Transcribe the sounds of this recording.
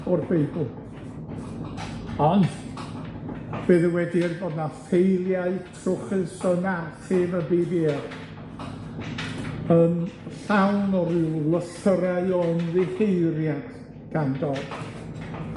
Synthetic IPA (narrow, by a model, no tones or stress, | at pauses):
ɔrbejblˠ | ɔn | b̥ɨðəwɛdirboːdnafejlˠjaɨtʰrʊχɨsənartɪvəbiber | ənɬawnɔɾɪlˠəθəɾaɨɔənðɪhejrjad̥ | ɡ̥andɔl